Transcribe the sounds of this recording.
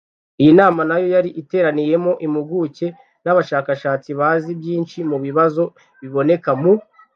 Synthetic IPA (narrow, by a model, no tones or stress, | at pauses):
ijinaːmanajo̞jaɾiʔite̞ːɾanije̞mo̞ʔimuɡuce̞ | naβaʃaːkaʃaːt͡siβaːzibjiːnʃimuβiβazo̞ | βiβo̞ne̞kamu